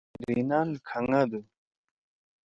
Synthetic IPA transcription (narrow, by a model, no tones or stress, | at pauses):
ɾɾinankʰaŋad̪u